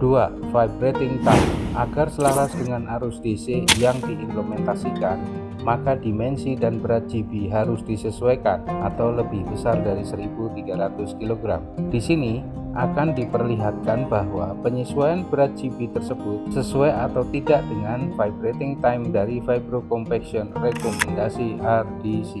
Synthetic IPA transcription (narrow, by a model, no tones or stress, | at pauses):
d̥uafaibɾet̪ɪŋt̪ajmʔaɡarsəlaɾasdəŋanaɾʊsdesejaŋdiʔimpləmɛnt̪asikan | makadimɛnsidanbəɾat̪̚d͡ʒibiɦaɾʊsdisəsuweka̰nat̪awləbɪhbəsardaɾisəɾibut̪iɡaɾat̪ʊskiloɡɾa̰mdisini | ʔakandipərliɦat̪̚kanbaɦwapəɲisuajanbəɾat̪̚d͡ʒibit̪ərsəbʊt̪̚səsuɛat̪awt̪idaʔdəŋanfajbɾet̪ɪŋt̪ajmdaɾifajbɾokɔmpɛksiɔnrekɔmɛndasiardisi